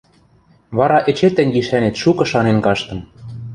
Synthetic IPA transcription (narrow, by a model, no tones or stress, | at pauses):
βɑɾɑʔĕt͡ɕet̪æŋɡiʃænet̪ʃukɤ̆ʃɑnenkɑʃt̪ɤ̆m